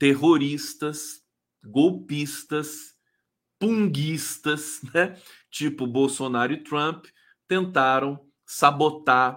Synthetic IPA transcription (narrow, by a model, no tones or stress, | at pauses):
t̪eɦoɾist̪ɐs | ɡowpist̪ɐs | pũŋɡist̪ɐsnɛ | t͡ʃipʊbowsonaɾʊɪt̪ɾɐ̃p | t̪ẽnt̪aɾɐ̃w̃ | sabot̪a